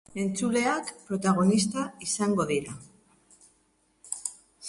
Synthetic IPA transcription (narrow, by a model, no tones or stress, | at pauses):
e̞nt͡sule̞akpɾo̞t̪aɣ̞o̞nist̪aisaŋɡo̞ðiɾa